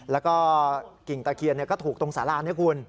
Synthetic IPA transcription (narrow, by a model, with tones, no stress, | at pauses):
lɛ˦˥wkɔː˥˩ki˨˩ŋt̪aː˧kʰi˧nːi˥˩kɔː˥˩t̪ʰuː˨˩k̚t̪o˧ŋsaː˨˩˦laː˧nːi˦˥˩kʰu˧n